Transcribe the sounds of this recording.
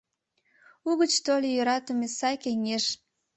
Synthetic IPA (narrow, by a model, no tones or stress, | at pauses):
uɣət͡ɕt̪olʲejøɾɑt̪əmesɑkeŋeʃ